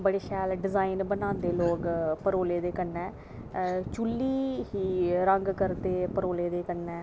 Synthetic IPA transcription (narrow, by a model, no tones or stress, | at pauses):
bəɽeːʃʰɛːlɖɪzaːinbənãːnd̪eːloːkpəɾoːleːd̪eːkənːɛː | t͡ʃulːiːɦiːɾəŋɡkəɾt̪eːpəɾoːleːd̪eːkənːɛ̃ː